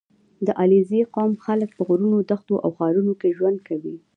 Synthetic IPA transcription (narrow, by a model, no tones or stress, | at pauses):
d̪əʔalizeqɑmxalək̚pəɣɾunod̪axt̪oʔa̰wxɑɾunokeʒwand̪̚kawi